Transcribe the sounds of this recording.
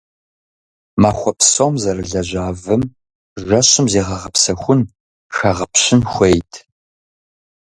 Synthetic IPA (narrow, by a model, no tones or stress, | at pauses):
maːxʷɔpsomzɐrɨɮɐʑaːvɨm | ʒɐɕɨmzeːʁɐʁɐpsɐxʷʊn | xɐʁɐpɕɪnxʷejtʰ